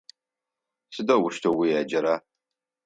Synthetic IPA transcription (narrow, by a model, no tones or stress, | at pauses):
sɨdɐwʊʃtʰɐwijaːd͡ʒɐɾaː